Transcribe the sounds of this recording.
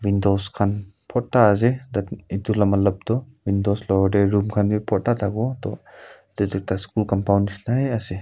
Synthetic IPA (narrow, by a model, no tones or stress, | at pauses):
windɔwskʰan | pʰɔtːaːzedatitulamalɐp̚dɔ | windɔslɔɔdeɾumkʰanbipʰɔtatʰaɡɔtɔ̰ | didik̚taskulkampʰawnisnajase